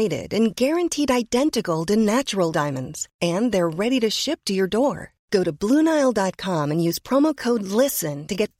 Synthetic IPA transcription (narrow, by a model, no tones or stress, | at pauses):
ɪɾɪ̰ɾɨ̃nɡɛɹɨ̃ntʰiɾaɪdɛ̃ntɨkl̩ˠdɨnæt͡ʃə˞l̩ˠdãɪ̃mɨ̃ndz̥ɨ̃nðə˞ɹɛɾiɾɨʃɪp̚tʰɨjə˞dɔɹ | ɡ̥oʊɾɨblũnaɪlˠdɑt̚kʰɑ̃mɨ̃njʉz̥pʰɹ̥ɑmoʊkʰoʊdˡlɪsɨ̃ntɨɡɛt̚